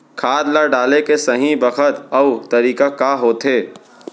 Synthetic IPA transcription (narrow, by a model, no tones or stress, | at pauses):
kʰaːd̪laɖaːlekesɐɦĩbɐkʰət̪ɐt̪ɐɾiːkakaɦoːt̪ɦeː